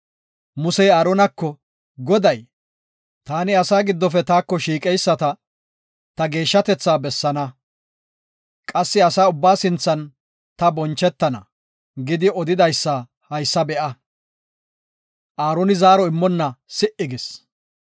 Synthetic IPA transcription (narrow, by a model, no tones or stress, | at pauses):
mʊsɛjaːɾɔnɐkːɔ | ɡɔd̪ɐj | t̪aːnɪɐsaːɡɪd̪ːɔfɛt̪aːkːɔʃiːkʼɛjsːɐt̪ɐ | t̪ɐɡe̞ːʃːɐt̪ɛt͡sːaːbɛsːɐnɐ | kʼɐsːɪɐsaːʊbːaːsɪnt͡sːɐn | t̪ɐbɔnt͡ʃːɛt̪ːɐnɐ | ɡɪd̪ɪɔd̪ɪd̪ɐjsːɐ | hɐjsːɐbɛʔɐ | ʔaːɾɔnɪzaːɾɔɪmːɔnːɐsɪʔɪɡɪs